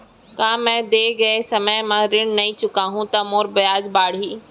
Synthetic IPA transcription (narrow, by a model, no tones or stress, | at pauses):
kãːmɛ̃ːd̪eːɡɐesɐməjmãːɾɪɽ̃nɐĩt͡ɕʊkaːɦũt̪ɐmoːɾbɐjaːd͡ʑbaːɽ̤iː